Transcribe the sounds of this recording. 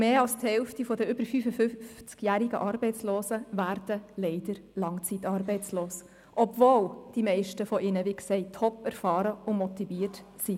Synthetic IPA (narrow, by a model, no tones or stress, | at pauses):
meːɑlsthɛlftifɔdəʏb̥əɾfyːfəfʏft͡skjæɾiɡə̰ʔɑːɾbɛɪt͡sloːsəvæːɾd̥əlɛɪd̥əɾlɑŋt͡sit̪ɑːɾbɛɪt͡sloːs | ʔɔbvoːld̥imɛɪʃtəfɔʔɪnəʋiksɛɪtʰhɔpːɛɾfɑːɾəʊmɔt̪iviːəɾtsi